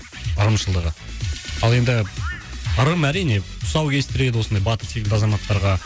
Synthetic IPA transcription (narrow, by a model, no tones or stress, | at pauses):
əɾəmʃəlˠd̪əʁəɑlˠe̞nd̪ɪ | əɾəmæɾijne̞ | ʊsɑwkʲʰe̞st̪ɪɾe̞d̪ɪwosnd̪ɑjbɑt̪əɾt̪ʰekʲɪnd̪ɑzɑmɑt̪ːɑɾʁɑ